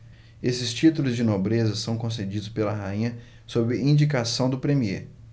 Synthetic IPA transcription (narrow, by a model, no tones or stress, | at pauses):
esɪst͡ʃit̪ulʊzd͡ʒɪnobɾezɐsɐ̃w̃kõs̬ed͡ʒid̪ʊspelɐɦaĩɲɐ | sobɪĩd͡ʒikasɐ̃w̃d̪ʊpɾemiḛ